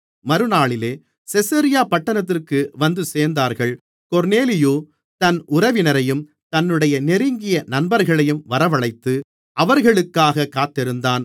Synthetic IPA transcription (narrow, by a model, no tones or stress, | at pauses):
mɐɾɯnaːɭɪleː | sɛsɐɾɪjaːpɐʈːɐnɐt̪̬ːɪrkɯʋɐnd̪ɯseːɾnd̪aːɾɣɐɭ | kɔɾneːlɪjoː | t̪ɐnʔʊɾɐʋɪnɐɾɐjɯm | t̪ɐnːɯɽɐjɐnɛɾɪŋɡɪjɐnɐnbɐɾɣɐɭɐjɯmʋɐɾɐʋɐɭɐɪt̪ːɯ | ʔɐʋɐɾɣɐɭɯkːaːɣɐkːaːt̪ːɪɾɯnd̪aːn